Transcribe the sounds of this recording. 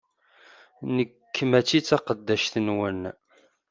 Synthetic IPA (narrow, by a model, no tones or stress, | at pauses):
nəkːmæt͡sːit͡sːɑqəd̪ːæʃθənwən